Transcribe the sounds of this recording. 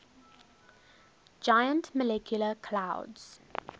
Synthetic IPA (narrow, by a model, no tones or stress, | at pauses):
d͡ʒajə̃ntməlɛkʰjʊləkʰlaʊdz̥